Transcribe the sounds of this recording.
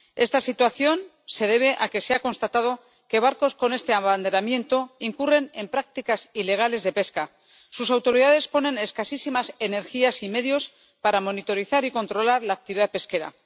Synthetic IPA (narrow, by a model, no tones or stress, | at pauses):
e̞st̪asit̪waθjo̞n | se̞ð̞e̞β̞e̞ʔake̞se̞ako̞nst̪at̪að̞o̞ | ke̞β̞aɾko̞sko̞ne̞st̪e̞aβand̪e̞ɾamje̞nt̪o̞iŋkure̞ne̞mpɾak̚t̪ikasile̞ɣ̞ale̞zðe̞pe̞ska | susawt̪o̞ɾiðaðe̞spo̞nẽ̞ne̞skasisimase̞ne̞ɾxiasime̞ðjo̞s | paɾamo̞nit̪o̞ɾiθaɾiko̞nt̪ɾo̞laɾlaːk̚t̪iβiðað̚pe̞ske̞ɾa̰